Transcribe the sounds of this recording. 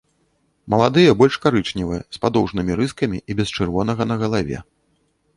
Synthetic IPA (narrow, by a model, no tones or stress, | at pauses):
mɐlˠad̪ɨjɐbɔlʲʂkaɾɨt͡ʂnʲivɨjɐspad̪ɔwʐnɨmʲiɾɨskɐmʲiʔibʲɛst͡ʂɨrvɔn̪ɐɣɐn̪ɐɣɐlˠavʲɛ̰